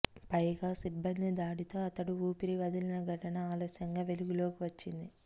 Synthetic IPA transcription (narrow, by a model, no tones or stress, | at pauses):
pɐjɡaːsibːɐnd̪id̪aːɽit̪o̞ːɐt̪ɐɽuuːpiɾiʋɐd̪ilinɐɡʱɐʈɐnɐaːloːsjɐŋɡaːʋe̞luɡulo̞ːkiʋɐt͡ʃːind̪i